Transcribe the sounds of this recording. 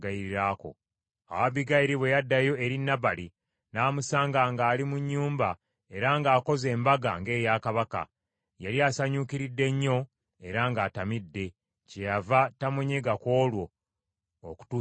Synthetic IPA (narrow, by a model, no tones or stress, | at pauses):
ɡaiɾiɾaːko̞̰ | a̰waβiɡaiɾiβwe̞jadːajo̞e̞ɾinːaβali | naːmusaːŋɡaːŋɡaːlimuɲːuːmba | e̞ɾaŋɡaːko̞ze̞ːmbaɡaŋɡe̞ːjaːkaβaka̰ | jaliaːsaɲuːkiɾidːe̞ɲːo̞ | e̞ɾaŋɡaːtamidːe̞ | cejavatamuɲeɡako̞ːlwo̞ː | ku̥tu